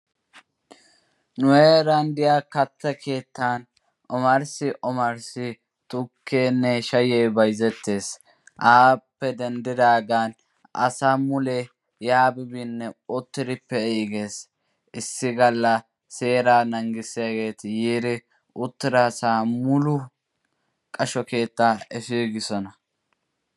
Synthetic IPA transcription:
nʊweɾɐnd̪ɪjaːkɐt̪ːɐkʰe̞ːt̪ːan | ʔɔmɐɾsɪʔɔmɐɾsɪ | t̪ʊkːeːnːɛʃɐjɛjbɐjzɛt̪ːe̞ːs | ʔaːpːɛd̪ɛnd̪ɪd̪aːɡaːn | ʔɐ̰saːmʊle | jaːbɪbinːɛʊt̪ːɪɾɪpːɛiːɡe̞ːs | ɪsːɪɡɐlːɐ | se̞ːɾaːnɐŋɡɪsɪjaɡe̞ːt̪jiːɾɪ | ʊt̪ːɪɾaːsaːmʊlʊ | kʼɐʃɔke̞ːt̪ːaːɛfiːɡɪsɔnɐ

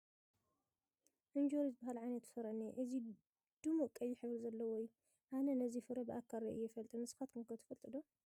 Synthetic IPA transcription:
ʔɨnd͡ʒoɾisbahalʕajnɐt̪sɐɾɐneʔɨzi | d̪̥umuʔkʼɐjːɪħɨβɾzɐlːɐwɔjːu | ʔanɐnɐzifɨɾɐbɨʔakʰːaɾɐʔɨjːɛfɐlt̪ʼɐnɨsɨ̥xat̪kʰɨŋkʰɐt̪ʰɨ̥fɐlt̪ʼɐd̪o

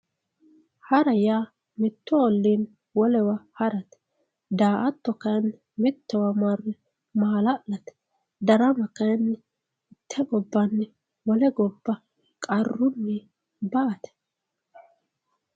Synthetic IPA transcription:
hɐɾɐjaː | mɪt̪ːɔɔlːiːn | wɔlɛwɐhɐɾɐt̪ɛ̥ | d̪aːʔɐt̪ːɔkɐjɐnː | mɪt̪ːɛwɐmarɛ | maːlɐlɐt̪ɛ̥ | d̪ɐɾɐmɐkɐjɐnːɛ | ɪt̪ʰːɛɡɔbːɐnːɛ | wɔlɛɡɔbːɐ | kʼɐrːʊnːɛ | bɐʔɐt̪ɛ̥

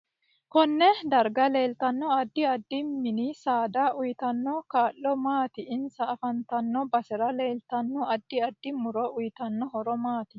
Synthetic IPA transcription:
kɔnːɛd̪ɐɾɡɐle̞ːlt̪ɐnːɔɐd̪ːɪɐd̪ːɪmɪnɪsaːd̪aʔʊjt̪ɐnːɔkaːlːɔmaːt̪ɪɪnsɐːfɐnt̪ɐnːɔbɐsɛɾɐle̞ːlt̪ɐnːɔɐd̪ːɪɐd̪ːɪmʊɾɔʔʊjt̪ɐnːɔɦɔɾɔmaːt̪ɪ

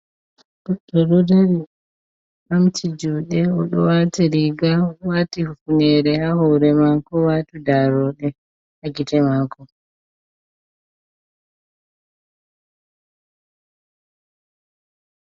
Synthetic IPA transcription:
buɗɔɗɔdaɾi | mamtʰid͡ʒuːɗɛɔɗɔwaːtiɾiɡawaːtihufunɛɾɛhahɔɾɛmakɔwatudaɾɔːɗɛ | haɡitɛmakɔ

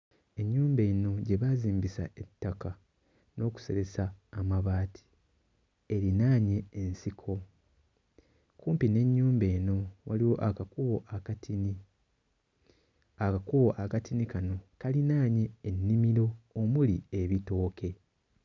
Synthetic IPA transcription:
e̞ɲːuːmbe̞ːno̞ɟe̞βaziːmbisa̰etːaka | no̞ːku̥se̞ɾe̞saːmaβaːtʰi̥ | eɾinaːɲe̞ːnsikʰo̞ | kuːmpine̞ɲːuːmbe̞ːno̞waliwo̞ʔakakuβo̞ʔakatini | akakuβo̞ʔakatinikano̞kalinaːɲe̞ːnːimiɾo̞ːmulie̞βito̞ːkʰe̞

